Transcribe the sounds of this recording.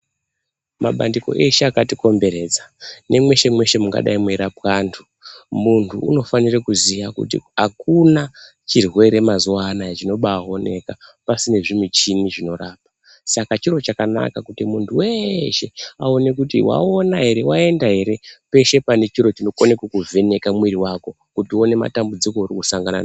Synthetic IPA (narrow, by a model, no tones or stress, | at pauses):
maɓa̰ndiko̞̰ʔe̞ʃeakatiko̞mbe̞ɾe̞d͡zane̞mwe̞ʃe̞mwe̞ʃe̞muŋɡa̰ɗa̰imueɾapwaːntʰu | muntʰuuno̞fanirekuzijakṵtḭɦakuna | t͡ʃirwe̞ɾe̞mazuwanat͡ʃino̞ɓao̞ne̞kapasine̞ʐimwit͡ʃiniʐino̞raːp̚ḁ | sakat͡ʃiɾo̞t͡ʃakana̰kakutimuntʰuwe̞ʃea̰o̞ne̞k̬utḭwa̰o̞naɦe̞ɾe̞wae̞ndaɦe̞ɾe̞pe̞ʃe̞pane̞t͡ʃiɾo̞t͡ʃino̞konekekuve̞ne̞kamwiriwako̞ | kutio̞ne̞ma̰tambud͡zikourikusaŋɡana̰na